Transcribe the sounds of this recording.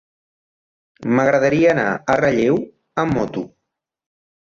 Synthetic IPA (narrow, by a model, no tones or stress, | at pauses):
məɣɾəðəɾiəːna̰ərəʎew | əmːɔt̪u